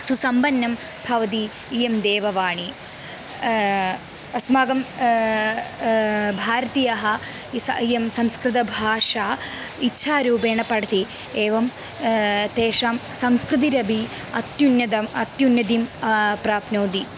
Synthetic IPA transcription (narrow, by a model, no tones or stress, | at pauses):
susɐmbɐnːɐm | bʱɐʋɐt̪̬iː | jemd̪eːʋɐʋaːɳi | ɐsmaːɡɐm | bʱaːɾɐt̪ijɐɦɐ | sɐjɐmsɐmskɾɨt̪̬ɐbʱaːʂaː | itːʃʰaːɾuːbeːɳɐpɐɽɐt̪i | eːʋɐm | t̪eːʂaːmsɐmskɾɨt̪̬iɾɐbʱi | ɐ̰t̪junjɐd̪ɐmɐt̪junjɐd̪impɾaːpnoːd̪i